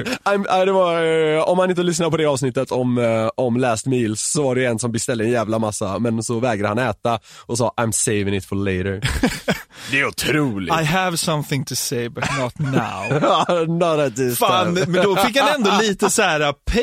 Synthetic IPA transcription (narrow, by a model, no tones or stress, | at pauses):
aɪmaɪd̪ɛvaɾɔmhanɪnt̪əlʏsnaɾpɔd̪ɛɑːvsnɪt̪ːət̪ʰɔmɔmlæːst̪miːlsːɔvaɖɛjɛnsɔmbɪst̪ɛld̪əɛnjæːvlamasːamɛnsɔvɛːɡɾəhanɛːt̪aʔɔsɑːʔãɪmseɪvɪ̃ŋɪt̪fɔleɪɾə | d̪ɛæɾʊt̪ʰɾuːlɪ̰aɪəvsʌ̃mθɪ̃ŋt̪ʰɨseɪbɐtnɔt̪na̰ʊnɔt̪at̪ɪfaːnmɛnd̪ɔfɪkːhanɛnd̪ɔliːt̪əsæːɾapʰ